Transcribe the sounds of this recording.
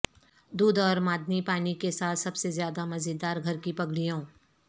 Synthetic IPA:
d̪uːd̪ɔːɾmaːd̪nipaːnikesaːt̪ʰsɐbsezjaːd̪amɐzɪd̪ːaːɾɡʱɐɾkipɐɡɽijõː

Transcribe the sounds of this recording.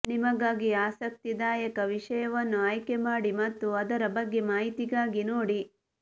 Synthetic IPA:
nimɐɡaːɡiaːsɐk̚t̪id̪aːjɐkɐʋiʂɐjɐʋɐnːuaːjkemaːɽimɐt̪ːuɐd̪ɐɾɐbɐɡːe̞maːɦit̪iɡaːɡinoːɽi

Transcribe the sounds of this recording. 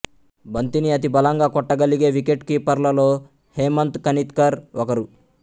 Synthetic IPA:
bʱɐnt̪iniɐt̪̬ibɐlaŋɡaːkɔʈːɐɡɐliɡeːʋikeʈkipɐɾlɐloː | heːmɐnt̪kɐnit̪kɐɾɔkɐɾu

